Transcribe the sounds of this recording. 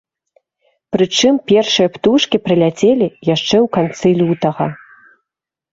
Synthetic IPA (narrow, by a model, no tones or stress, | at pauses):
pɾɨt͡ʂɨmpʲɛrʂɨjɐpt̪uʂkʲipɾɨlʲat͡sʲelʲijaʂt͡ʂɛwkant̪sɨlʲut̪ɐɣɐ